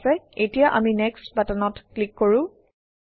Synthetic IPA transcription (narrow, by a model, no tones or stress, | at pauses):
sɛetijaʔaminɛkstbatanɔtklikːoɹʊ̃